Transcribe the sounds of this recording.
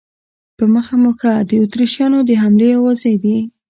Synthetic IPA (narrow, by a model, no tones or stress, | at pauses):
pəməxamuxad̪əut̪ɾiʃjɑnod̪əɦamlejɑwɑzajd̪i